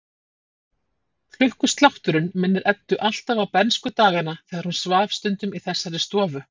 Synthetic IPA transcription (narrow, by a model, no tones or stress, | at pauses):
k̪l̥ʏhkʏst̪lawht̪ʏɾʏnmɪnːɪɾʔɛt̪ːʏʔal̥t̪avawpɛnskʏt̪aːɣanaθɛːɣaɾ̥hunsvaːfst̪ʏnt̪ʏmiθɛsːaɾɪst̪ɔːvʏ